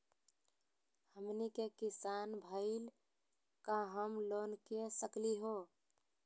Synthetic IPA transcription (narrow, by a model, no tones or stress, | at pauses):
həmnikekisanbʱəɪl | kaɦəmlonkesəkliɦo